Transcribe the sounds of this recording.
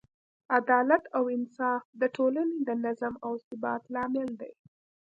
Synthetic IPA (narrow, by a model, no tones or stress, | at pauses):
ad̪ɑlat̪awɪnsɑfd̪əʈʰolaned̪ənazamawsɪbɑt̪lɑmɪld̪a̰j